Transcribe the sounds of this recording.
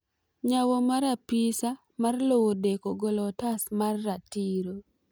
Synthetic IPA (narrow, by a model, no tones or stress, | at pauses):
ɲawomaɾapisa | marlowodekoɡolɔtasmarːatiɾo